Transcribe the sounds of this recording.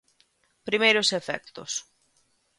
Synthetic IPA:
pɾimejɾosefɛ̰kt̪ʊ̰s

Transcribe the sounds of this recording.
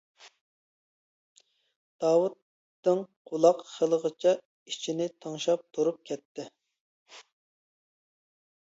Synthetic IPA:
d̪̥ɑːwut̪ː | ɨŋqʰolˠɑqχəlˠəʁət͡ʃʰɛ | it͡ʃʰinɪt̪ʰɑŋʃɑp̚t̪ʰuɾup̚kʲʰɛt̪ʰːɪ

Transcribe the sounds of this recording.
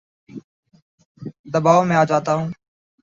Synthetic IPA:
d̪əbaːʋomẽːaːd͡ʒaːt̪aːɦũː

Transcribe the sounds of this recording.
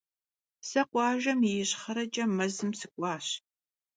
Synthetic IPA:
sɐqʷɑːʒɐmɪjɪɕχɐɾɐt͡ʃʼɐmɐzɨmsɨkʷʼɑːɕ

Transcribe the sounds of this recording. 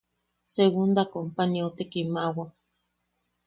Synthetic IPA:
seɣund̪akompanjawt̪ekimawa

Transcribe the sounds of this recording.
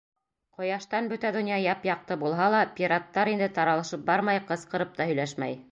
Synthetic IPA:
qŏjɑʃt̪ɑnbɵt̪æd̪ŏnjɑjɑpjɑq̚t̪ɤbulˠɦɑlˠɑpʲiɾat̪ːɑɾind̪ɘt̪ɑɾɑlˠɤ̆ʃɤp̚bɑɾmɑjqɤ̆sqɤ̆ɾɤp̚t̪ɑhɵ̆jlæʃmæ̰j

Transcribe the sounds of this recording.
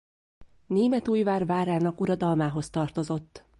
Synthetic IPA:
neːmɛt̪uːjvaːrvaːɾaːnɒkuɾɒd̪ɒlmaːɦo̞st̪ɒrt̪o̞zo̞t̪ː

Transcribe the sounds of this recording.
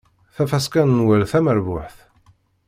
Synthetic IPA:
θæfæskænnwælθæməɾvʊħθ

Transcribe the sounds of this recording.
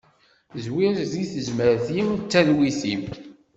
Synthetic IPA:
zwiɾziθəʒməɾθimt͡sːæðwiθim

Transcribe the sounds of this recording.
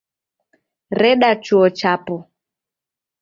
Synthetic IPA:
ɾɛɗat͡ʃuɔt͡ʃapɔ

